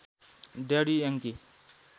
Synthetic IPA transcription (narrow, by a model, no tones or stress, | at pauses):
daɾijaŋki